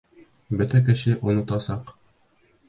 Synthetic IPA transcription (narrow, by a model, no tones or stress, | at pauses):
bɵt̪æk̬ɘ̆ʃɕɘʔŏnɤ̆t̪ɑsɑq